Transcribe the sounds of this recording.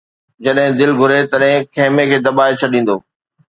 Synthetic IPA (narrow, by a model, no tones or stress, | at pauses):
d͡ʑɐɗɦɪ̃d̪ɪlɡʱʊɾet̪ɐɗɦɪ̃kʰeːmekʰeːd̪ɐɓaːet͡ɕʰɐɗĩːn̆d̪oː